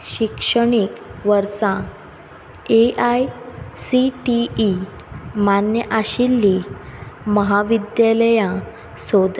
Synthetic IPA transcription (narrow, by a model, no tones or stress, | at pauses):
ɕikʂəɽ̃ikʋəɾsã | eʔajsiʈiː | manjəʔaɕilːi | məɦaʋid̪jaləjã | sod̪